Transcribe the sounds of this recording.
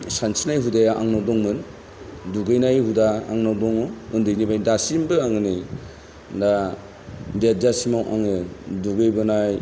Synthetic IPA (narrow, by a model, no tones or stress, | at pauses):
sansinajɦudajaʔaŋnawdɔŋmɯn | duɡɯjnajɦudaaŋnawdɔŋɯundɯjnibajdasimbɯaŋɯnɯj | da | ded͡ʒasimawʔa̰ŋɯduɡɯjbɯnaj